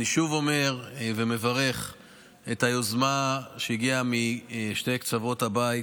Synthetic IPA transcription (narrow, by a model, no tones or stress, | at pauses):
niʃuvo̞me̞ʁvemevaʁe̞χ | ethajozmaʃeiɡiamiʃte̞jkt͡savo̞thabajt